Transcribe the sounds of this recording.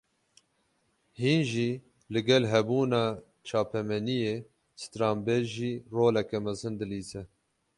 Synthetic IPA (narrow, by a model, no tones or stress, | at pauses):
hiːnʒiː | lɨɡɛlɦɛbuːnɑː | t͡ʃʰɑːpɛmɛnijeː | sɨ̥t̪ɾɑːmbeːlʒiːroːlɛkɛmɛzɨnd̪ɨliːzɛ